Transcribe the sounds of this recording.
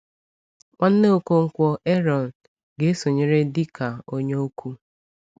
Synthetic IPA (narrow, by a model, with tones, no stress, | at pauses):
kʷa˦n̩˦ne˦o˨ko˦ŋ̩˦kʷɔ˦e˦ɾɔ˨n̩˨ | ɡe˦so˨ɲe˨ɾe˦di˦kʰa˨o˦ɲe˦o˦kʰu˦